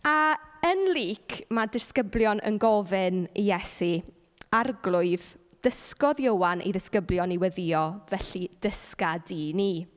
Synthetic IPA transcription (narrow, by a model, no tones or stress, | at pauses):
aənliːkʰmadɪskəblˠjɔnʔə̰nɡɔvɪnijɛsi | arɡlˠʊɨð | d̥əskɔðjəwanʔḛjðɪskəbljɔniwɛðiɔvɛɬid̥əskadini